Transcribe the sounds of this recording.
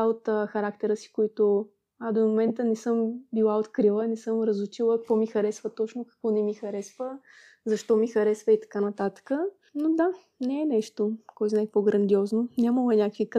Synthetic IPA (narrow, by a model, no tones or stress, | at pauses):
aot̪ːxɐɾak̚t̪ɛɾəsi̥koit̪o | ad̪omomɛnt̪ənɛsɤmbilˠaot̪kɾilˠənɛsɤmɾəzʊt͡ʃilˠəkɔmixɐɾɛsvət̪ɔt͡ʃnokɐ̥kvɔnɛmixɐɾɛsvə | zɐʃt̪ɔmixɐɾɛsvəit̪ɐ̥kanɐt̪at̪ə̥kə | nod̪a | nɛɛnɛʃt̪okɔjt̪znaɛpoɡɾɐnd̪iɔznonʲaməlˠɛnʲakəkvik